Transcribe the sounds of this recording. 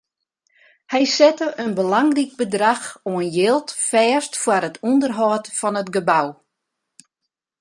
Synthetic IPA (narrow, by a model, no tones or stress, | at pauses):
hɛjsɛtəʔənbəlaŋrik̚bədraxoənjɪlˠtfɛːstfwaɾətʰɔndərɦɔːtfɔnətɡəbaw